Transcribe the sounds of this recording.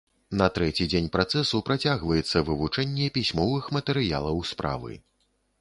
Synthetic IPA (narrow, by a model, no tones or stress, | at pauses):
nɐt̪ɾɛt͡sʲid͡zʲenʲpɾat̪sɛsupɾat͡sʲaɣvɐjɛt̪sːɐvɨvut͡ʂɛnʲːɛpʲisʲmɔvɨxmɐt̪ɛɾɨja̰lˠɐwspɾa̰vɨ̰